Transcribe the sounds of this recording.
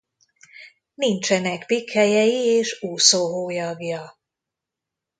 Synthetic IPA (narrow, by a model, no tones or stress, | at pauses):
nint͡ʃɛnɛɡbikhɛjɛjieːʃuːsoːɦoːjɒɡjɒ